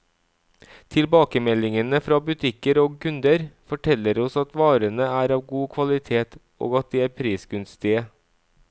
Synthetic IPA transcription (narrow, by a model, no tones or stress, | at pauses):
t̪ʰɪlbɑːkəmɛlɪŋənəfɾɑːbʉt̪ʰɪkəɾoːɡkʰʉnd̪əɾfɔʈʰɛləɾɔsɑt̪ʋɑːɾənəæːɾɑːʋɡuːkʰʋɑlɪt̪ʰeːt̪ | ʔo̰ːɡɑt̪̚d̪iːæːɾpʰɾiːsɡʉnst̪ɪə